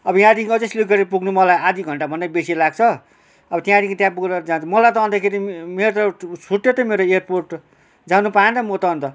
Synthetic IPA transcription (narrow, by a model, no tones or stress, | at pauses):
ʌbʌjãd̪ikʌd͡zʌslikɡʌɾipuɡnumʌlajad̪iɡʱʌɳʈabʱʌnd̪abesilaɡ̚t͡sʰʌ | ʌbʌt̪jãd̪ikit̪jãpuɡɾʌɾʌd͡zant͡sʰʌmʌlajt̪ʌːnd̪akʰeɾimeɾt̪ʌt͡sʰuʈjot̪ʌmeɾoerporʈ | d͡zanupaẽnt̪ʌmot̪ʌːnt̪ʌ